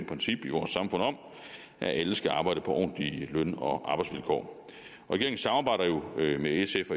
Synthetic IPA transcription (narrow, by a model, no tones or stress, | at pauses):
pʰʁɛnsib̥iʋɒːsːɑ̈mfɔ̽n̰ɒ̽m | ʔæʔæləsɡ̥æɑ̈ːb̥ɑ̈ɪ̰ɾ̥əpʰɒ̽ʔɒ̰ːnd̥lilønɒ̽ʔɑ̈ːb̥ɑ̈ɪdsʋelkʰɒ̰ː | ʁɒiɡ̥eeŋ̩sɑ̈mɑ̈bɑ̈ɪ̰ɾ̥ɐjo̝meesefɒ